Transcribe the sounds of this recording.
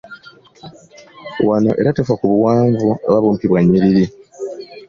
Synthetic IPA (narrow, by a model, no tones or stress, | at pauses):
wano̞̰ʔe̞ɾatefakuβuwaːɱvuaβaβuːmpiβwaɲːiɾiɾi